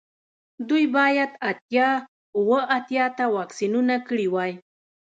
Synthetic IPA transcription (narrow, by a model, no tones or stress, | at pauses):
d̪ujbɑjad̪at̪jɑ | ʊwəʔat̪jɑt̪awɑksinunakɽiwɑj